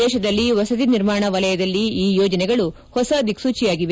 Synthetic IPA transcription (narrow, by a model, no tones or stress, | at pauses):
ɛːʃɐd̪ɐlːiʋɐsɐt̪̬iniɾmaːɳɐʋɐlɐjɐd̪ɐlːiiːjɔːd͡ʒɐnɛɡɐɭu | hɔsɐd̪ʱiksuːt͡ʃijaːɡiʋe